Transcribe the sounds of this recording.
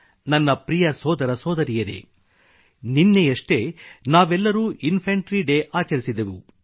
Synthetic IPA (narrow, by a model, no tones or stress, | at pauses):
nɐnːɐpɾijɐsɔːd̪ɐɾɐsɔːd̪ɐɾijɐɾḛ | ninːejɐʂʈe̞naːʋɛlːɐɾuːʔinpʰɐɳʈɾiɖeʔaːt͡ʃɐɾisid̪eʋu